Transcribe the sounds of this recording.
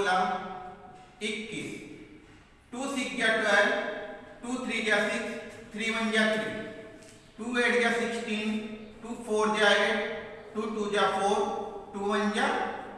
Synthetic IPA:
lɐm | ikːis | ʈuːsikjaʈajʈuːt̪ʰɾiːd͡ʒasikst̪ʰɾiːʋənd͡ʒat̪ʰɾḭ | ʈuːeːʈʰd͡ʒasɪksʈinʈuːpʰoːɾd͡ʒaːjeʈʈuːʈuːd͡ʒapʰoːɾʈuːʋəɲd͡ʒa

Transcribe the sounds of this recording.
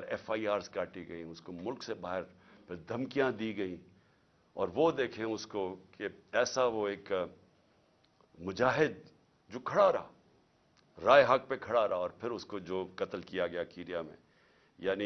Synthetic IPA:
ɾɛːfaːiaːɾzkaːʈiɡɐĩʊskomʊlksebaːɦɪɾpʰɪɾd̪ʱɐmkijãd̪iːɡɐĩ | ɔ̰ːɾʋod̪eːkʰẽʊskokeɛːsaʋoeːk | mʊd͡ʒaːɦɪd̪̚ | d͡ʒoːkʰɐɽaɾɐa̰ː | ɾaːeɦɐk̚pekʰɐɽaɾɐɦaɔːɾpʰɪɾʊskod͡ʒoːkɐt̪əlkijaɡɐjakiːɾijamḛ̃ | jaːni

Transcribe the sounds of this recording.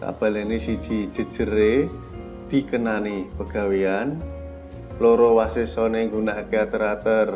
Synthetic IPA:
ka̰b̥a̤lanesid̥ʒ̥i̤̥ʒ̥ə̤d̥ʒ̥ə̤ɾe | d̪̥i̤kənanipəɡ̥a̤wian | loɾɔwasesɔneŋɡunaʔkeat̪əɾat̪ər

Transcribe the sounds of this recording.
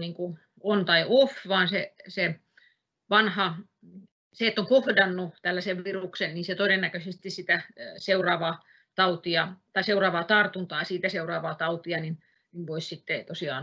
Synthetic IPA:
niːŋku | ont̪ɑiofʋɑːnsese | ʋɑnhɑ | seet̪ːoŋkohdɑnːut̪ælːæseʋʋiruksenniːnset̪odenːækøsest̪issit̪æseurɑːʋɑː | t̪ɑut̪iɑt̪ɑiseurɑːʋɑːt̪ɑrt̪unt̪ɑˑːsiːt̪æseurɑːʋɑːt̪ɑut̪iɑnin | niʋʋoissit̪ːet̪osiɑ̰ːn

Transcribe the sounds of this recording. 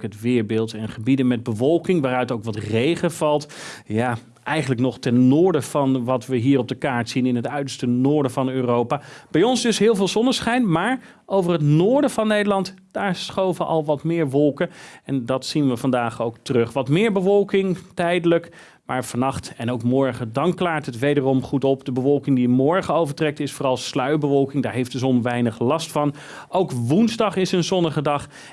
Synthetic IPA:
kɦətʋɪːɹbɪːlˠtɛnχəbidənmɛd̚bəvɔlˠkɪŋʋaːrœɥtowkʋɑtrejχəv̥ɑlˠtjaː | ʔɛjχənləknɔχtɛnːʊːɹdəv̥ɑnʋɑtʋəɦiːɾɔb̚dəkaːɹtsinɪnɦətœɥdəɹstənʊːɹdəvɑnøːrowpaːb̥ɛjɔnzdɵsɦɪːlˠvɪːlˠzɔnəsχɛjnmaːɹ | ʔowvərɦətnʊːɹdəvɑnːejdəlɑnt | d̥aːɹsχowvəʔɑ̰lˠʋɑtmɪːɹʋɔlˠkənɛndɑtsinʋəvɑndaːχowktərɵχʋɑtmɪːɹbəʋɔlˠkɪŋtɛjdələk | ma̰ːɹv̥ɑnɑχtɛnoʊwkmɔɹχədɑŋklaːɹtətʋejdərɔmχutɔpdəbəʋɔlˠkɪŋdimɔɹχəowvəɹtrɛk̚tɪsfoːrɑlˠslœɥbəʋɔlˠkɪŋdaːɹɦejfd̥əzɔnʋɛjnəχlɑstfɑn | owkʋunzdɑχɪsənzɔnəχədɑχ

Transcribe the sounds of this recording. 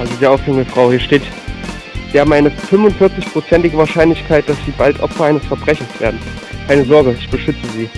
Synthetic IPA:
ʔalzodiːɐʔaʊfɪŋəfʁ̥aʊhiːɐʃteːt | z̥iːhaːbm̩ʔaɪnəfʏmvʊntfɪɐt͡sɪçpʁ̥ot͡sɛntɪɡəvaːɐʃaɪnlɪçkʰaɪt̚d̥asz̥iːbaltʔɔ̰pfɐaɪnəsfɛɐbʁɛçn̩sv̥eːɐdn̩kʰaɪnəzɔɐɡəɪçb̥əʃʏt͡səziː

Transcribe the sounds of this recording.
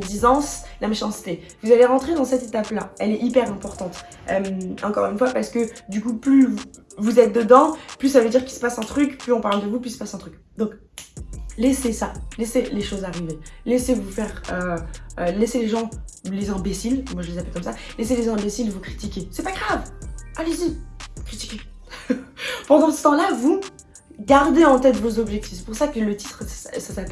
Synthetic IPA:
d̪izɑ̃slamaʃɑ̃st̪e | vuzaleʁɑ̃t̪χed̪ɑ̃sɛt̪et̪aplaɛlɛʔipɛʁɛ̃pɔʁt̪ɑ̃t̪ | œmɑ̰̃kɔʁynfwapaʁsə̥kəd̪ykuplyvuzɛt̪̚d̪əd̪ɑ̃plys̬avəd̪iʁkʲisə̥pasɛ̃t̪χykplyɔ̃paʁld̪əvuplyisəpasɛ̃t̪χyk | d̪ɔ̃k | lesesaleseleʃozaʁivelesevufɛʁø | leseleʒɑ̃lezɛ̃besilmwaʒəlezapɛlkɔmsaleselezɛ̃besilvukχi̥t̪ikʲesɛpaɡʁavalezikχit̪i̥kʲe | pɑ̃d̪ɑ̃sə̥t̪ɑ̃lavu | ɡaʁd̪eɑ̃t̪ɛt̪vozɔbʒɛk̚t̪i̥fsɛ̥puʁsakələt̪it̪χsasap

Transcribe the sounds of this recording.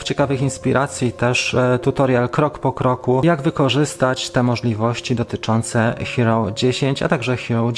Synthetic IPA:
ft͡ɕɛkavɘxinspʲiɾʔat̪sʲjit̪ɛʂt̪ut̪ɔɾjalkɾɔkpɔkɾɔkujaɡvɘkɔʐɘst̪at͡ɕt̪ɛmɔʐlʲivɔɕt͡ɕid̪ɔt̪ɘt͡ʂɔnt̪sɛxʲiɾɔwd͡ʑeɕeɲt͡ɕa̰t̪aɡʐɛxʲiɾɔw

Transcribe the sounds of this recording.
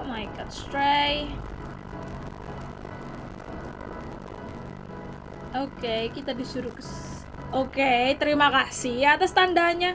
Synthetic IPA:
majɡɔ̰t̪st̪ɾej | ʔokejkit̪adisuɾʊks | okejt̪əɾimakasiat̪ast̪andaɲa

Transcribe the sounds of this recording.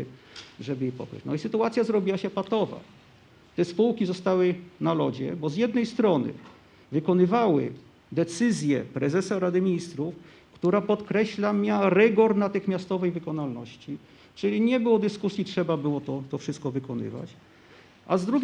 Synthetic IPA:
ʐɛbɘjɛpɔ̰kɾɛ̰t͡ɕnɔisɘt̪uat̪sʲjazɾɔbʲiwaɕɛpat̪ɔva̰ | t̪ɛspuwkʲizɔst̪awɘnalɔd͡ʑɛ̰bɔzjɛd̪̚nɛjst̪ɾɔnɘ̰ | vɘkɔnɘvawɘ̰ | d̪ɛt̪sɘzʲjɛpɾɛzɛsaɾad̪ɘmʲiɲist̪ɾuf | kt̪uɾapɔt̪kɾɛɕlamʲjaɾɛɡɔɾnat̪ɘxmʲast̪ɔvɛjvɘkɔnalnɔɕt͡ɕi | t͡ʂɘlʲiɲɛbɘwɔd̪ɘskusʲjitʂɛbabɘwɔt̪ɔt̪ɔfʂɘst̪̚kɔvɘkɔnɘ̰va̰t͡ɕ | ʔazd̪ɾuɡʲ

